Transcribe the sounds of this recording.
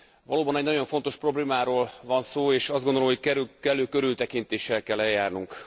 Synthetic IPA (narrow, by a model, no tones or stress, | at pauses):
vɒloːbɒnɛɟnɒɟo̞ɱfo̞nt̪o̞ʃpro̞bleːmaːɾoːlvɒnsoːeːʃɒzdɡond̪oomhockɛkɛløːkøɾylt̪ɛkint̪eːʃːɛlkɛlːɛjːaːrnuŋk